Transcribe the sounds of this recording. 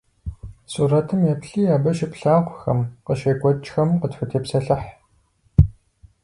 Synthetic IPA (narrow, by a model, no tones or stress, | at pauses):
suːrɐtʰɨmjɛpɬiːjaːbɐʃɪpɬaːχʷxɐ̰mqəʃɐkʷʼɔt͡ʃxɐmqətfʷʊtʰeːpsɐɬɐħ